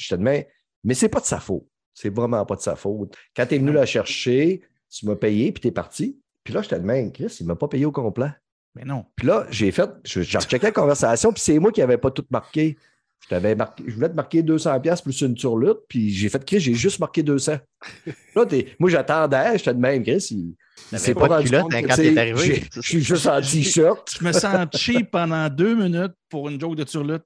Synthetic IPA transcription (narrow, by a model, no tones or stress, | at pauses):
ʒə̥t̪əd̪mɛ̃ | mɛsɛpɔd̪sa̰fɔːt̪̚ | sɛvʁɛmɑ̃pɔd̪sa̰fɔːt̪kɑ̃t̪ɛvnylaʃɛʁʃe | t̪ymʌpejepi̥t̪ɛpa̰ʁtt͡si | pilʌʒə̥t̪ɛd̪mɛ̃kʲʁɪsilmɐpɔpejeokɔ̃ːplɛ | bɛnɔ̃pilʌʒefɛt̪̚ʒʒa̰ʁt͡ʃɛkɛd̪kɔ̃vɛʁsasjɔ̃pi̥semwakʲiavɛpɔt̪ʊt̪̚maʁkʲe | ʃt̪avɛmaʁkʲʒəvulɛt̪əmaʁkʲed̪øːsɑ̃ːpjasplysɨnt̪yʁlʏt̪̚piʒefɛt̪̚kʲʁɪsʒeʒʏsmaʁkʲed̪øːsã | ilʌt̪emwaʒat̪ɑ̃ːd̪ɛʒet̪ɛd̪mɛ̃mkʁɪsi | sepɔd̪ãlɔ̃kãtseeaʁivʒeʃiʒøst̪ɑ̃t̪iʃœʁt̪̚ʒməsɑ̃t͡ʃipɑ̃d̪ɑ̃d̪øːminʏt̪̚puʁynd͡ʒoɡ̚d̪ət̪yʁlʏt̪̚